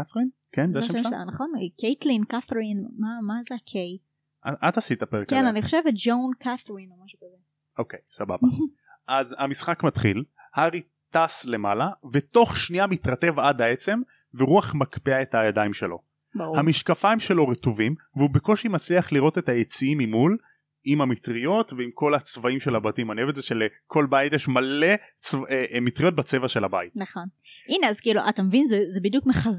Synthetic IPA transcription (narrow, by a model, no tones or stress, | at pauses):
θʁinkenzeʃea̰naχonkejt̪linkaθɾinmamazeakʰej | ʔaʔat̪asit̪apeʁeknaniχoʃevet̚d͡ʒownkʰaθʁinomaʃukaze | ʔo̞kejsaba̰ba | ʔazhamisχakmat̪χḭl | haʁi | t̪asle̞malavet̪o̞χʃniamit̪ʁat̪e̞vad̪ae̞t͡se̞m | veʁuaχmakpeae̞thajad̪aimʃe̞̰lo̞̰ | hamiʃkafaimʃe̞lo̞ʁetovim | veubeko̞ʃimat͡sliaχliʁo̞t̪e̞t̪hajet͡siimimul | imhamitʁijo̞t̪veimko̞lat͡svaimʃe̞labat̪imanevet͡szeʃelekʰo̞lbait̪jeʃmale̞t͡svemitʁijo̞t̚bat͡se̞vaʃe̞labait̚naχon | ineazkiluʔatamevinzezebidjukmeχaz